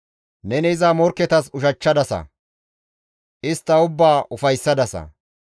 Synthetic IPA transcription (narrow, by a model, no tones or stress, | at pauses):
nɛnɛɪzaːmɔɾkːɛt̪ɐsʊʃɐt͡ʃːɐd̪ɐsɐ̰ | ʔɪst̪ːɐʊbːaːʔʊfɐjsːɐd̪ɐsɐ̰